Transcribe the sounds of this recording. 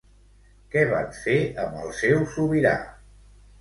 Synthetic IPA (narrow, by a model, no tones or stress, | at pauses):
kɛβa̰nfeəməlˠsewsuβiɾa̰